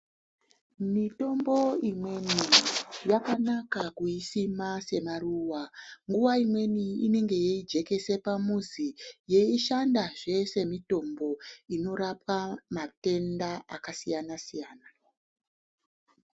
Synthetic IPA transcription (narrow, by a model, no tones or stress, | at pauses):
mito̞mbo̞imwe̞nijakanakakuisimase̞maruːwaŋɡuʋaimwe̞niine̞ŋɡe̞jeid͡ʒe̞ke̞se̞pamuzije̞iʃandaʐe̞se̞mito̞mbo̞ino̞ɾapamate̞ndaakasijanasijaːna